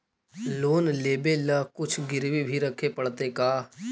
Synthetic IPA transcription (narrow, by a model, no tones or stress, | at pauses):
loːnleːbelaːkʊt͡ʃʰɡɪɾwibʱiɾɐkʰepəɽt̪ekaː